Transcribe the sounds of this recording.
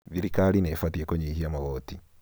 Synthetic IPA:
βiɾikalinefatiekoɲiːhiamaɣoːti

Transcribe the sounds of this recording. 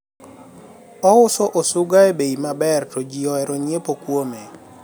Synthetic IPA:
ɔʊsɔʔosʊɡaebeimabɛrtod͡ʒiɔɛɾɔɲepokwome

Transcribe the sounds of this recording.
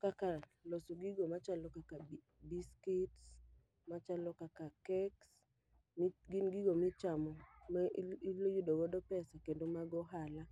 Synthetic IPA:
kaka | losoɡiɡomat͡ʃalɔkaka | biskits | mat͡ʃalɔkakakɛks | mɡinɡiɡomit͡ʃamɔmɛilojudoɡɔdɔpɛsakendomaɡɔɦala

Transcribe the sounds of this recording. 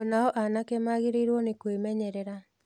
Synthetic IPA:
naɔʔanakemaɣeɾeɾwɔnekwemɛɲɛɾɛɾa

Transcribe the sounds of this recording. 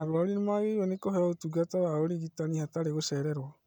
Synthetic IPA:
aɾwaoɾinemaɣeiɾwɛnekoɦeaotuɡatawaoɾiɣitanihataɾeɣosɛɾɛɾwa

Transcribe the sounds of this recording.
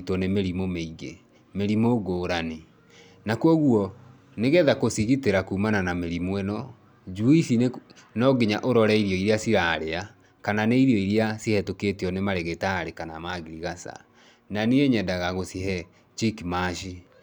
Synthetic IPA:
tɔnemeɾimomeiɣḛ | meɾimoɡoːɾani | nakwɔɣuɔ | neɣɛðakosiɣiteɾakuːmananameɾimwɛnɔ | d͡ʒuiʃi | nɔɡeɲaʔoɾɔɾɛiɾjɔiɾiasiɾaːɾea | kananeiɾjɔiɾiasihɛtoketeɔnemaɾeɣetaɾekana̰maɣiɾiɣasa̰ | nanieɲɛdaɣaɣosiɦɛ | t͡ʃikimaʃi

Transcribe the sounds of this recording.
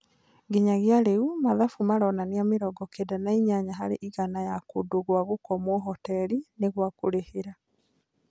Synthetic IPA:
ɡeɲaɣjaɾeumaðafumaɾɔnaniameɾɔːɡɔkedanaiɲaɲaɦaɾeʔiɣanajakodoɣwaɣokɔmwɔɦɔtɛɾineɣwakoɾeheɾa

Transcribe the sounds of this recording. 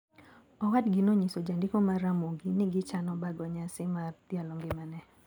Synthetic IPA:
ɔwadɡɪnoɲisod͡ʒandɪkomaɾamoɡinɪɡɪt͡ʃanɔbaɡɔɲasɪmart̪jalɔŋɡɪmanɛ

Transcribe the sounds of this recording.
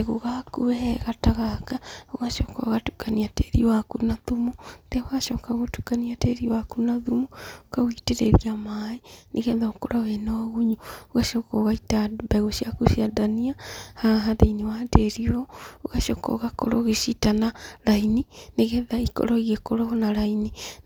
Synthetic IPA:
ɣoɣakuɛhɛɣataɣakaoɣaʃɔka̰ɣatu̥kaniateɾiwakunaðumuðɛoɣaʃɔkaɣotukaniateɾiwakunaðumuokaɣwiteɾḛðiamainʔeɣɛðaokoɾʔɔɣenaaɣuɲuoɣaʃɔkɔɣaitabaɣoʃiakuʃiadaniahaɦaðeinewadeɾiɔoɣaʃɔkɔ̰ɣakoɾoɣeʃitanaɾainineɣɛðaikɔ̰ɾɔiɣekoɾɔɣɔnaɾaini

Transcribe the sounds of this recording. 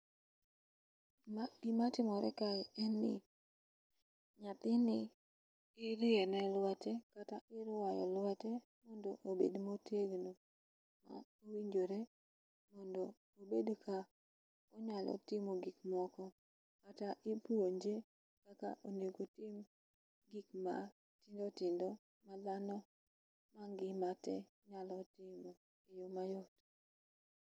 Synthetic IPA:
maɡimatɪmɔɾɛ̰kalɛnːɪ̰ | ɲat̪ɪnɪ | ɪɾɪɛnɛlwatɛkataɪɾwajɔ̰lwatɛ | mɔndoʔobḛdmoteɡno | ma̰ | owiɲd͡ʒoɾe | mɔndo | obedkʰa | ɔɲalɔ̰tɪmoɡikmɔkɔ | kataʔipuoɲd͡ʒe | kaka̰ʔoneɡotɪm | ɡikma | tɪndɔtɪndɔ | mad̪anɔ | maŋɡɪmatɛ | ɲalɔtɪmo | ejomajɔt

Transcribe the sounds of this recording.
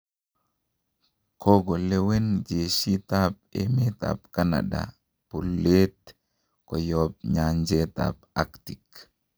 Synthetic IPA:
kʰɔɡolewend͡ʒesit̪ap̚emeta̰pkana̰da̰ | polet̪ | kɔjɔp̚ɲaɲd͡ʒet̪a̰p̚aktik

